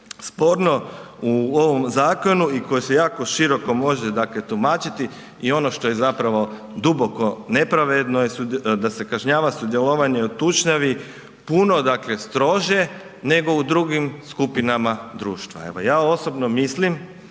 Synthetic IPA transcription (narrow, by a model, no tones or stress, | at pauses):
spo̞ɾno̞uo̞ʋo̞mzaːko̞nuiko̞jese̞jaːko̞ʃiɾo̞ko̞mo̞ʒed̪akle̞t̪umaːt͡ʃit̪i | io̞no̞ʃt̪o̞je̞zapɾaʋo̞ | d̪ubo̞ko̞ne̞pɾaʋe̞d̪no̞jesud̪ase̞kaʒɲaːʋasud̪je̞loʋaɲe̞ut̪ut͡ʃɲaʋi | puno̞d̪akle̞st̪ɾo̞ʒje̞ | ne̞ɡo̞ud̪ɾuɡimskupinamad̪ɾuːʃt̪ʋa̰e̞̰ʋo̞̰jaːo̞sobno̞mislim